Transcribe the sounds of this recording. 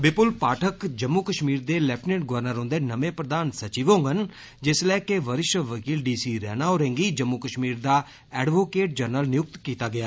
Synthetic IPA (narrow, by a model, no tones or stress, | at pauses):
bɪpʊlpaːʈʰəkd͡ʒəmːukəʃmiːɾd̪eːlɛːpʰʈneːʈ̚ɡʊʋəɾnəɾõːnd̪eːnəʋẽːpɾəd̪aːnsət͡ʃiːʋõːŋɡən | d͡ʒɪslɛːkeʋəɾɪʃəʋəkiːlɖiːsiːɾɛ̰ːnaːɔːɾẽːŋɡiːd͡ʒəmːukəʃmiːɾd̪aː | ɛːɖʋoːkeːʈ̚d͡ʒəɾnəlnɪjʊk̚t̪kiːt̪aːɡɪjaː